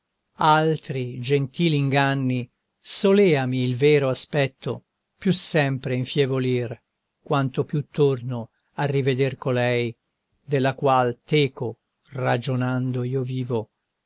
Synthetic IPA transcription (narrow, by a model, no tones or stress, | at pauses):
alt̪ɾid͡ʒent̪iːliŋɡanːi | solɛːamiːlvɛːɾoaspɛt̪ːo̰ | pjusɛmpɾeiɱfjevolir | kwant̪opjut̪ːorno | arːived̪erkolɛj | d̪elːakwalt̪ɛːko | rad͡ʒonand̪oiːoviːvo